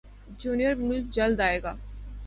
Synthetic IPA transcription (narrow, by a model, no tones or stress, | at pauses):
d͡ʒuːnijəɾmʊlk̚d͡ʒɐld̪aːeːɡaː